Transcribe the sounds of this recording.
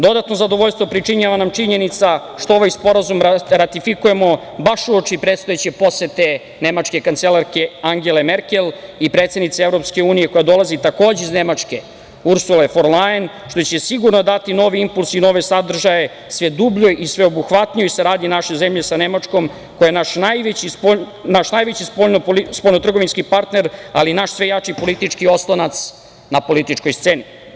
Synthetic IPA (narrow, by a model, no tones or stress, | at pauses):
d̪o̞d̪at̪no̞zad̪o̞ʋoʎst̪ʋo̞pɾit͡ʂiɲaʋanamt͡ʂiɲe̞nit̪sa | ʃt̪ooʋajspo̞ɾazumɾat̪ifikuje̞mo̞ | baʃuot͡ʂipɾet̪st̪ojet͡ɕepo̞set̪e | ne̞mat͡ʂke̞kant̪selaɾke̞aŋɡele̞meɾke̞lˠipɾet̪sed̪nit̪seevɾo̞pske̞uːnijeko̞jad̪o̞lˠazit̪ako̞ːd͡ʑeiznemat͡ʂke̞ | uɾsulefoɾlajen | ʃt̪o̞t͡ɕe̞siɡuɾno̞d̪at̪ino̞ʋiimpulˠsino̞ʋe̞sad̪r̩ʒaje̞ | sʋed̪ubʎoʔisʋeobuxʋat̪nijoiseɾaːd̪inaʃe̞zemʎesanemat͡ʂko̞m | kojenaʃnajʋet͡ɕipo | naʃnajʋet͡ɕispoʎnoispolnot̪r̩ɡo̞ʋinskipaɾt̪neɾalinaʃsʋe̞jat͡ʂipo̞lit̪it͡ʂkio̞slˠonat̪s | napo̞lit̪it͡ʂkojst̪seːni